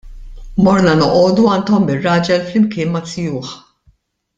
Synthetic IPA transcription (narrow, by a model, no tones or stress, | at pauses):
mɔɾnɐnɔʔɔːd̪uɐnt̪ɔmɪrːɐːd͡ʒɛlflɪmkɪːnmɐt͡sɪjuːħ